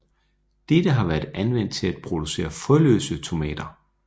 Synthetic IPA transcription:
d̥ed̥əɦɑ̈ʋæːɐd̥ænʋen̰d̥̚t͡sʰe̝læd̥̚pʰʁo̝d̥use̝̰ːɐfɔlø̰ːsət͡sʰo̝mɛ̰ːd̥ɐ

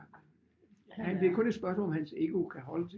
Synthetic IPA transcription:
hænb̥liɐkʰɔ̽ne̝d̥sb̥ɶɐsmːlɒ̽mhænse̝ɡ̥o̝kʰæɦɒ̽ləd

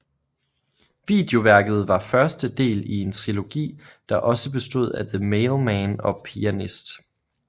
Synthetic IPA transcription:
ʋḭːd̥eo̝ʋæɐɡ̥ð̞̩ˠʋɑ̈fɶɐsd̥əd̥e̝̰ːlie̝nt͡sʰʁilo̝ɡ̥ḭː | d̥ɑ̈ʔɒ̽səb̥e̝sd̥o̝ð̞̰ˠæðəmeɪlmænɒ̽pʰiænisd̥

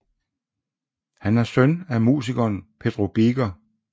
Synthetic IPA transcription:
hænæɐsœnæmṵːsiɡ̥ɐːnpʰe̝d̥ʁo̝b̥iɡ̥ɐ

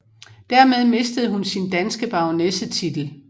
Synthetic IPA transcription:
d̥æɐmeð̞ˠme̝sd̥əð̞̩ˠhunsind̥ænsɡ̥əb̥ɑ̈ʊnesət͡sʰid̥l̩

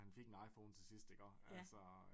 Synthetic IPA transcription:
hænfe̝ɡ̥e̝nɑ̈ɪfo̝ʊːnt͡sʰe̝sisd̥eɡ̥ɶɐ̰ælsɒ

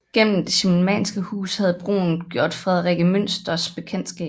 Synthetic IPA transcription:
ɡ̥en̰m̩d̥e̝ɕemmɛ̰ːnsɡ̥əhṵːshæð̞̩ˠb̥ʁo̝̰ːn̩ɡ̥jo̝ɐ̰d̥fʁɛð̞ˠʁiɡ̥əmøn̰sd̥ɐsb̥e̝kʰen̰d̥sɡ̥ɛ̰ː

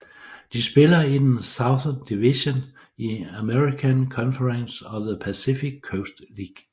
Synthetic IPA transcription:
d̥isb̥e̝lɐid̥ensɑ̈ʊθɐnd̥iʋiɕon | iæmeʁikʰænkʰɒ̽nfəʁənsɒðəpʰæsifiɡ̥̚ʰoʊsd̥liːɡ̥

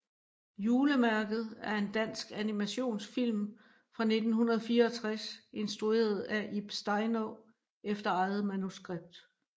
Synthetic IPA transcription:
juːləmæɐɡ̥ð̞̩ˠæɐe̝nd̥æn̰sɡ̥ænimæɕo̝̰ːnsfil̰m | fʁɑ̈ne̝d̥n̩ɦunɐð̞̩ˠfiːɐɒt͡sʰʁase̝nsd̥ʁue̝̰ːɐð̞̩ˠæʔib̥sd̥ɑ̈ɪnɔ | efd̥ɐɑ̈ɪð̞̩ˠmænusɡ̥ʁeb̥̚d̥

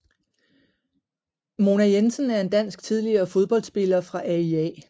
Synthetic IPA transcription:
mo̝næjensənæɐe̝nd̥æn̰sɡ̥̚t͡sʰið̞ˠliɐːfo̝ð̞ˠb̥ɒ̽l̰d̥sb̥e̝lɐfʁɑ̈ʔæiɛ̰

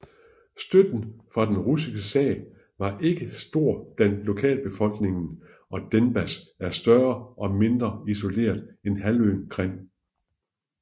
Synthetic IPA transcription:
sd̥ød̥n̩fʁɑ̈d̥enʁusiɡ̥əsɛ̰ː | ʋɑ̈ʔe̝ɡ̥əsd̥o̝ɐ̰d̥ænlo̝kʰɛ̰ːlb̥e̝fɒ̽l̰ɡ̥ne̝ŋn̩ | ɒ̽d̥enb̥æsæɐsd̥ɶɐʔɒ̽me̝nd̥ʁɐiso̝le̝̰ːɐðˠenɦælø̰ːnkʰʁen̰

